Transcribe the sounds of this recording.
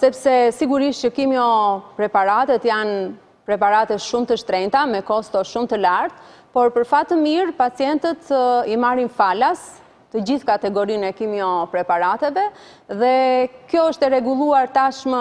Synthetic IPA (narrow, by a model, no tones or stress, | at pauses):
sɛpsɛsiɡuɾiʃt͡ɕəkimjɔpɾɛpaɾat̪ɛt̪jan | pɾɛpaɾat̪ɛʃumt̪əʃt̪ɾɛnt̪amɛkɔst̪ɔʃumt̪əlaɾt̪̚ | pɔɾpəɾfat̪əmiɾpat͡sijɛnt̪ət̪imaɾinfalas | t̪əd͡ʑiθkat̪ɛɡɔɾinɛkimjɔpɾɛpaɾat̪ɛvɛ | ðɛkjɔəʃt̪ɛɾɛɡulˠuaɾt̪aʃmə